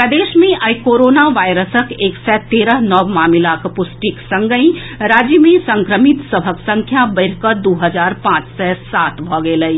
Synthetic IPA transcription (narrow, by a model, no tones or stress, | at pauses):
əd̪eːʃmẽʔəikoːɾoːnaʋaːɪɾəsəkeːksɛt̪eːɾəɦnɔʋmaːmɪlakpʊsʈiksə̃ŋɡəĩ | ɾaːd͡ʒjəmẽsə̃ŋkɾəmɪt̪səbʱəksə̃ŋkʰjabəɪɾkəɾd̪uːɦəd͡ʒaːɾpãːt͡ʃsɛsaːt̪bʱɔɡeləi